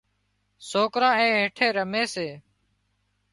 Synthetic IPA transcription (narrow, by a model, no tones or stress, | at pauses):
soːkɾãːɛ̃ːɦeːʈʰeːɾəmeːseː